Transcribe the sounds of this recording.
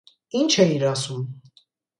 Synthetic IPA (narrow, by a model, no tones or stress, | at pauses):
int͡ʃʰɛiɾɑsum